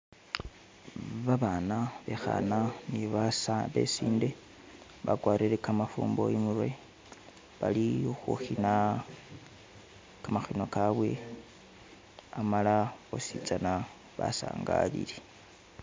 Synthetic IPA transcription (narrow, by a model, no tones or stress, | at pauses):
βaβanaβe̞xa̰naniβaβe̞̰siːnde̞ | βa̰ɡwaːɾeɾekamafuːmbo̞̰jimurwe | βalixuxina | kamaxino̞kaβwe̞ | amalaosit͡sana | βa̰sa̰ːŋɡa̰lḭle